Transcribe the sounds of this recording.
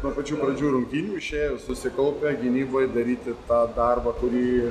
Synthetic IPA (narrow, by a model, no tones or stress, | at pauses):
nuɔpɐt͡ʃʲuːpɾɐd͡ʒʲuːɾʊŋʲkʲinʲuːɪʃʲeːjosʊsʲɪkɐlˠpʲɛɡʲɪnʲiːbojd̪ɐɾʲiːt̪ʲɪt̪ɑːd̪ɑrbɐkʊɾʲiː